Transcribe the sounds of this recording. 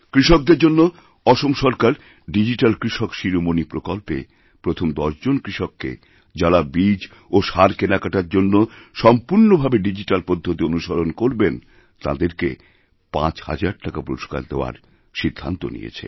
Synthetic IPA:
kɾiʃok̚d̪eɾd͡ʑonːo | ɔʃomʃɔɾkaɾ | ɖid͡ʑiʈalkɾiʃokʃiɾomonipɾokolpḛ | pɾot̪ʰomd̪ɔʃd͡ʑonkɾiʃɔkːḛ | d͡ʑalabid͡ʑ | oʃaɾkenakaʈaɾd͡ʑonːoʃɔmpuɾnobʱabeɖid͡ʑiʈalpod̪ʱːot̪ionuʃaɾonkoɾben | t̪a̰d̪eɾke | pã̰t͡ɕha̰d͡ʑaɾ̚ʈakapuɾoʃka̰ɾd̪eoa̰ɾ | ʃid̪ʱːa̰nt̪o̰nḭjḛt͡ɕʰḛ

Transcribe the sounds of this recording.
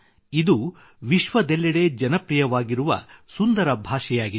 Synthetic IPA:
id̪u | ʋiʃʋɐd̪elːɐɽe̞d͡ʒɐnɐpɾijɐʋaːɡiɾuʋɐ̰sund̪ɐɾɐbʱaːʃɛjaːɡi

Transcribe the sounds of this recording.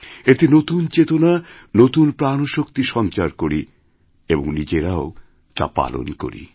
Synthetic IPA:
et̪inot̪unt͡ɕet̪ona | not̪unpɾanoʃokt̪iʃɔnt͡ɕaɾkoɾi | eboŋnid͡ʑeɾao | t̪a̰pa̰lo̰nko̰ɾḭ

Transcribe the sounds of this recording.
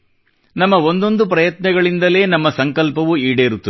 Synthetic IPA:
nɐmːɐo̞nd̪o̞nd̪upɾɐjɐt̪nɐɡɐɭind̪ɐle̞ːnɐmːɐsɐŋkɐlpɐʋuiːɽeːɾut̪ːɐ

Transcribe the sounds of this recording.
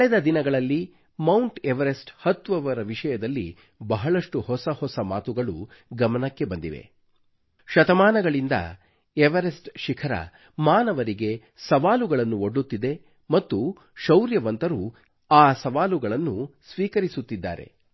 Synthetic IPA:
kɐɭɛd̪ɐd̪inɐɡɐɭɐlːi | mɐwɳʈeʋɐɾesʈhɐt̪ːʋɐʋɐɾɐʋiʂɐjɐd̪ɐlːḭ | bɐɦɐɭɐʂʈuhɔsɐhɔsɐmaːt̪uɡɐɭṵɡɐmɐnɐkːe̞bɐnd̪iʋe̞̰ | ʃɐt̪ɐmaːnɐɡɐɭind̪ɐ̰ | eʋɐɾesʈʃikʰɐɾɐ̰ | maːnɐʋɐɾiɡe̞ | sɐʋaːluɡɐɭɐnːuoɖːut̪ːid̪e̞ | mɐt̪ːu | ʃɐwɾjɐʋɐnt̪ɐɾu | aːsɐʋaːluɡɐɭɐnːusʋiːkɐɾisut̪ːid̪ːa̰ːɾḛ

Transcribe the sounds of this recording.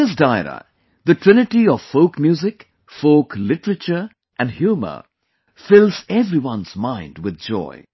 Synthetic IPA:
ɪs̬daɪɾə̰ | ðəʈɹ̥ɪ̃nɪʈiɔv̥foʊkmjuːzɪk | foʊklɪʈəɾət͡ʃə˞ | ʔæ̃nɖhjuːmə̰ | fɪlzɛvɾiwʌ̃nzmãɪ̃ndwɪð̚d͡ʒɔ̰ɪ

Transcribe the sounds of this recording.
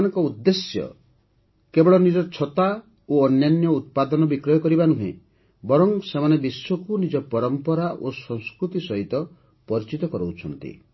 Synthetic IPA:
nɔŋkɔud̪ːesjɔ̰ | kebɔɭɔnid͡ʒɔt͡ʃʰɔt̪a | oɔnjanjɔut̪̚pad̪ɔnɔbikɾɔjɔkɔɾibanuɦḛ̃ | bɔɾɔŋsemanebiswɔkunid͡ʒɔpɔɾɔmpɔɾaʔosɔŋ̃skɾut̪isɔɦit̪ɔ | pɔɾit͡ʃit̪ɔkɔɾowt͡ʃʰɔnt̪ḭ

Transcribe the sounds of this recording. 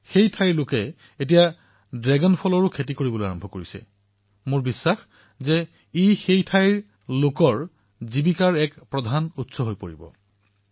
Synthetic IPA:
xejtʰajɹlʊkɛ | et̬ija | dɹɛɡɔnpʰɔlɔɹʊkʰet̬ikoɹibɔlojaɹɔmbʱɔkoɹisɛ̰ | mʊɹbisːax | zɛ | ixejtʰajɹ | lʊkɔɹ | zibikaɹɛkpɹɔdʱanutsɔɦojpoɹibɔ̰

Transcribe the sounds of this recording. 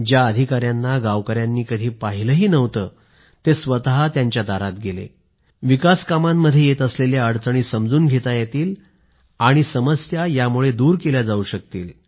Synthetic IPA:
d͡ʑjaəd̪ʱikaɾjanːaɡaʋkəɾjanːiːkəd̪ʱiːpaɦiləɦiːnəʋt̪əː | t̪esʋət̪aɦat̪jaɲt͡ɕjad̪aɾat̪ɡelḛ | ʋikaskamamːəd̪ʱːjejet̪əsleljaəɽt͡səɽ̃iːsəmd͡zuːnɡʱet̪ajet̪iːl | aɽ̃isəməsjajamuɭed̪uːɾkeljad͡zauɕək̚t̪ḭːl

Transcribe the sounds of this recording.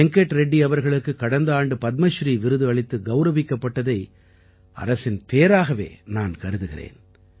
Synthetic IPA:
ɛŋkɛʈːɾɛɖːiɐʋɐɾɣɐɭɯkːɯkːɐɽɐnd̪aːɳɖɯpɐt̪̚mɐʃɾiːʋɪɾɯðɯɐɭɪt̪ːɯɡɐʊɾɐʋɪkːɐpːɐʈːɐðɐɪ | ɐ̰ɾɐsɪnpeːɾaːɣɐʋḛːnaːnkɐɾɯðɯɣɪrḛːn

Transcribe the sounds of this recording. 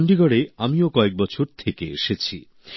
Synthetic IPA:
ɳɖiɡɔɽeamiokɔek̚bɔt͡ɕʰoɾt̪ʰekeḛʃet͡ɕʰi

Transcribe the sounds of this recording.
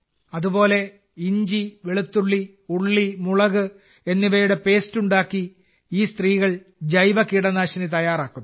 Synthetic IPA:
ɐðubo̞ːle̞ | iɲd͡ʑiʋeɭut̪ːuɭːi | uɭːimuɭɐɣɨ | e̞nːiʋɐjuɽe̞pe̞ːstuɳɖaːkːi | iːst̪riːɣɐɭ | d͡ʑɐjʋɐkːiːɽɐnaːɕɐnit̪ɐjaːraːkːu

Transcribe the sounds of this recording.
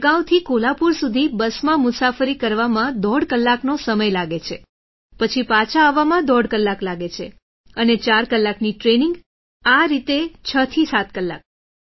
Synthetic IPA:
ɡãw̃t̪ʰikolapuɾsud̪ʱibəsmãmʊsafəɾikəɾʋamãd̪ɔɽkəlːaknosəməjlaɡet͡ʃʰe | pət͡ʃʰipat͡ʃʰaːʋamãd̪ɔɽkəlːaklaɡet͡ʃʰe | ənet͡ʃaɾkəlːakniʈɾeniŋɡ | aɾit̪et͡ʃʰət̪ʰisat̪kəlːa̰k̚

